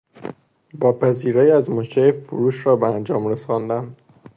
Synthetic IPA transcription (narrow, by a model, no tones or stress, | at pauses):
bɒːpʰæziːɾæːjæzmoʃefuɾuːʃɾɒːbeænd͡ʒɒːmɾesɒnd̪æn